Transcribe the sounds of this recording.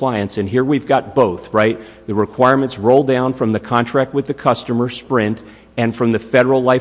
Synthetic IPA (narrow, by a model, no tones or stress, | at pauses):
l̥aɪɨ̃nsɨ̃nɦiɹwivɡɑt̚b̥oʊθɹaɪt̪̚ | ðɨɹɨkʰw̥aɪɹmɨ̃ntsɹoʊlˠdãʊ̃nfɹʌ̃mðɨkʰɑ̃ntʰɹ̥æk̚t̚wɨðɨkʰʌstɨmə˞spɹɪ̃nt | ɨ̃nfɹʌ̃mðɨfɛɾə˞l̩ˠlaɪ